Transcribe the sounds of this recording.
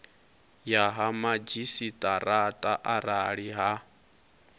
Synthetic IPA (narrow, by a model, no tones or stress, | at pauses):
jaɦamad͡ʒisitʼaɾatʼaʔaɾaɺiɦa